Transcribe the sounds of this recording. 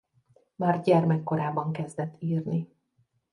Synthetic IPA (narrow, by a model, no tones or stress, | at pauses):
maːrɟɛrmɛkːo̞ɾaːbɒŋkɛzd̪ɛt̪ʰːiːrni